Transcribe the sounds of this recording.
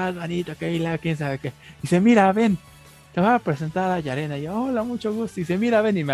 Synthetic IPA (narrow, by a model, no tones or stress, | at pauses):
azβonit̪okeilaokjens̬aβekeisemiɾaβe̞n | t̪eβaːpɾe̞se̞nt̪aɾaʝaɾe̞naiaolamut͡ʃo̞ɣust̪oise̞miɾaβe̞nime